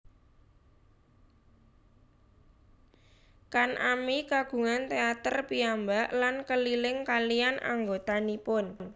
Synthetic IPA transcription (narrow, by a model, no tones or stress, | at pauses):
kanʔamikaɡ̥ṳŋant̪eat̪ərpiambaʔlankəlilɪŋkalianʔa̰ŋɡot̪anipʊnn